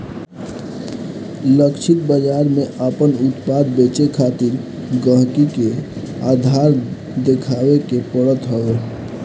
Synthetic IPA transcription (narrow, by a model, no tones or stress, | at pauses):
ləkʃʰɪt̪̚bəd͡ʒaːɾmẽʔaːpənʊt̪paːd̪̚beːt͡ʃekʰaːt̪ɪɾ | ɡə̃ɦkike | aːd̪ʱaːɾ | d̪ekʰaːwekepəɽət̪ɦoe